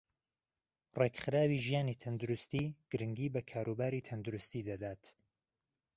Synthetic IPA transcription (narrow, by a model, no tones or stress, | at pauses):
rekχɨɾaːwiːʒijaːniːt̪ʰɐnd̪ʊɾʊst̪iːɡ̥ɨɾɨŋɡiːbɐkʰaːɾubaːɾiːt̪ʰɐnd̪ʊɾʊst̪iːd̪ɐd̪aːt̪